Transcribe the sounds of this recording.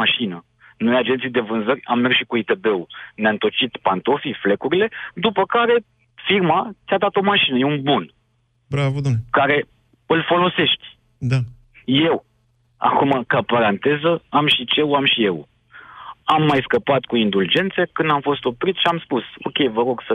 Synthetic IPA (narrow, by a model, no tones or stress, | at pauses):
aʃinə | nojad͡ʒent̪sijd̪e̞vɨnzərʲamːe̞rsʃikuit̪e̞be̞uneaɨnt̪o̞t͡ʃit̪pant̪o̞fifle̞kuɾile̞d̪upəkaɾe̞ | firmat̪sʲad̪at̪o̞maʃinəjeunbun | bɾavkaɾe̞ | ɨlfo̞lo̞se̞ʃt̪ʲ | d̪a | je̞w | a̰kumakapaɾant̪e̞zəamʃit͡ʃe̞uamʃije̞wu | amːajskəpat̪kuind̪uld͡ʒe̞nt̪sekɨnd̪amfo̞st̪o̞pɾit̪sʃiamspuso̞̰kʲe̞jvəɾo̞ɡsə